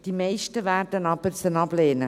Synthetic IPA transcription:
d̥imeɪʃtəvæːɾdənɑb̥əɾt͡sənɑb̥leːnə

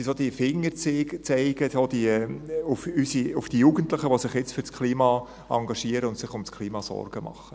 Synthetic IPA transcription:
sisod̥̪ifɪŋːəɾt͡sɪːɡt͡sɛɪɡətod̥iʊfysiʊfd̥ijuɡ̥əntlɪχəʋosɪχjɛt͡sfʏɾskʰliːmɑ | ɑŋɡɑʃiəɾəʊntsɪχʊmskʰliːmɑsɔ̰rɡ̥əmɑ̰χə

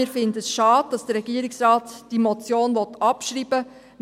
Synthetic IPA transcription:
ɪːɾfɪndəsʃɑːd̚d̥ɑsd̥ərɾɛɡiəɾɪksrɑːtd̥imɔt͡sjoːnʋɔt̪ɑpʃɾiːb̥ə | m

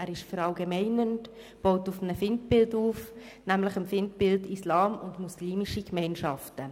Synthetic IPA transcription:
ʔæːɾɪʃfəɾɑlɡemɛɪnənt | b̥ɔʊtʊfənəfɪnt̚bɪlduːf | næmləχəmfɪntbɪltislɑːmʊndmusliːmiʃikmɛɪnʃɑftə

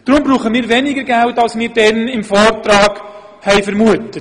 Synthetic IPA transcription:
d̥ɾʊmbɾuːχəmiːɾvɛnɪɡəɾɡæltɑlsmɪːɾdɛnɪmfɔːrtrɑːɡ | hɛɪfəɾmuətət

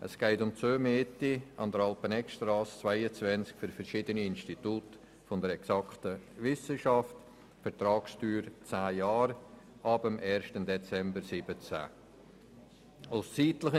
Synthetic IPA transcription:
ʔə̰sɡ̥ɛɪtʊmt͡søːmeːtiɑ̰nd̪əɾɑlpənɛkʃtrɑːst͡svaɪət͡svɛnt͡skfʏɾfɛɾʃɪdəniɪnstituːt | fʊndəɾɛksɑktəʋɪsəʃɑft | fɛɾtrɑːkstyːɾt͡sæːjɑːɾ | ʔɑbəmʔɛːɾʃtəndɛt͡sɛmbəɾsɪb̥ət͡sæ̰ | aʊst͡siːtləχə

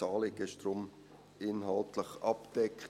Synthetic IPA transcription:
ɑːlɪɡɪʃd̥ɾʊm | ɪnɦɑltləχɑpd̥ɛkʰː

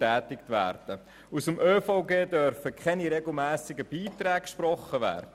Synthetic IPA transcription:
æːtɪktʋæ̰ːrd̥ə | usəmʔøːfaʊɡeːdœɾfəkχɛniɾɛɡl̩ˠmæːsɪɡəb̥iːtɾɛːk̚kʃprɔχːəʋæ̰ːɾd̥ə

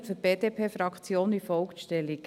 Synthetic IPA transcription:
fyɾb̥eːd̥̪eːpʰeːfɾɑkt͡sjoːnifɔlkʃtɛlik

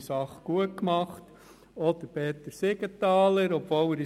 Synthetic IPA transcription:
sɑχɡ̥uət̚kmɑχt | ɔd̪̥əɾpeːt̪əɾseɡət̪ɑːləɾɔbʋoːlæɾi

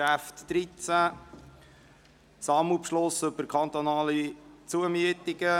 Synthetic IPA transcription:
æftd̥ɾit͡sæ | sɑmupʃlosɵbəkʰɑnt̪ɔnɑːlit͡suəmyətiɡə

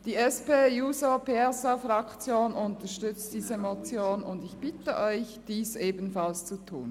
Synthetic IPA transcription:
d̥iːɛspeːjuːzəpʰɛsafʁɑkt͡sjoːnʊntɐʃtʏt͡st̚d̥iːzəmot͡sjoːnʊndɪçb̥ɪtəʔɔʏçd̥iːsʔeːbn̩falst͡sutʰṵːn

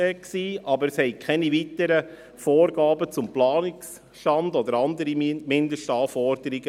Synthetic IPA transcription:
ɛksiːʔɑbəɾshɛɪkʰɛniʋit̪əɾə | foːɾɡɑːbət͡sʊmplɑːnɪks | ʃtɑndɔd̪əɾɑnd̪əɾimɪnd̪əʃtɑːfɔɾd̥əɾiɡə

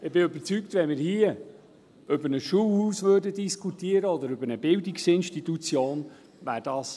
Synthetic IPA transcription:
ɪbɪøbəɾt͡sykt̪ʋɛnmɪːɾhiə | ʏbəɾnəsʃuːlhuːsvøːɾdədiskʰut̪iːəɾəɔd̪əɾʏbənəbɪldiksɪnʃtit̪ut͡sjoːn | væːɾd̥ɑːs

